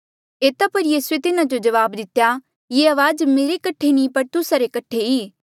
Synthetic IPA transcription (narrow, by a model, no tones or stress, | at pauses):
eːt̪apɐɾjiːsuet̪ɪnãd͡ʒod͡ʒɐʋaːbd̪ɪt̪ːja | jeɐʋaːzmeːɾekɐʈʰenĩpɐɾt̪ʊsaɾekɐʈʰeiː